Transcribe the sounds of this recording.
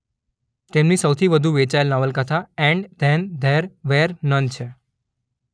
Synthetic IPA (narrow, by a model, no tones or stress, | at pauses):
t̪emnisəwt̪ʰiʋəd̪ʱuʋet͡ʃaelnaʋəlkət̪ʰaɛ̃ɳɖd̪ʱɛnd̪ʱɛɾʋeɾnənt͡ʃʰe